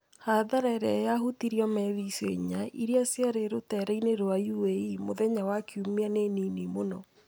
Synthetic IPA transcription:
haðaɾaɛɾajaɦutiɾiɔmɛðiseɲaʔiɾiasjaɾeɾotɛɾaineɾoajuweimoðɛɲawakiumeaneninimonɔ

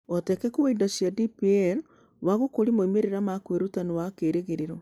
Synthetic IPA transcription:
otɛkɛkoweidasiadipiɛl | waɣokoɾimoimeɾeɾamakweɾutaniwakeːɾeɣeɾeɾɔ

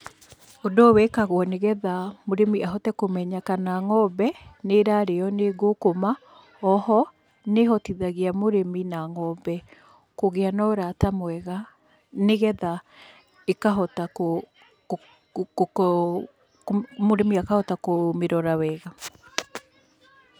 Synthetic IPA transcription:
odɔwɛkaɣwɔneɣɛðamoɾemiaɦɔtɛkomɛɲakanaŋɔbɛneɾaɾeɔneɣokoma | ɔhɔ | neɦɔtiðaɣiamoɾeminaŋɔbɛ | koɣeanɔoɾatamwɛɣa | neɣɛða | ekaɦɔtako | moɾemiakahɔtakomeɾɔɾawɛɣa

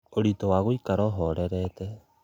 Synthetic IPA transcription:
oɾit̪oaɣojkaɾoɦoɾeɾet̪e

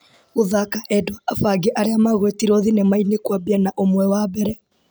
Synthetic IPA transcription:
oðakaʔɛdwaafaɡeʔaɾeamaɣwɛtiɾɔðinemainekwabianaʔomwɛwabɛɾɛ

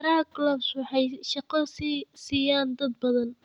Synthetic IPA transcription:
ɾɐhklɔbswɑħɑjʃɑqɐssiːjaːnd̪ɐd̪bɐðɐn

